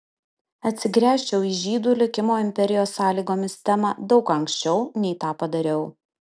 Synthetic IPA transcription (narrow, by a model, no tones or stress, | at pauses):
ɐt̪ʲsʲɪɡɾʲæːʃʲt͡ʃʲɛʊiʒʲiːd̪uːlʲɪkʲɪmoːɪmʲpʲɛɾʲɪjoːsːɑːlʲiːɡoːmʲɪst̪ʲɛmɑd̪ɒʊkɐŋksʲt͡ʃʲɛʊnʲɛɪt̪ɑːpɐd̪ɐɾʲɛʊ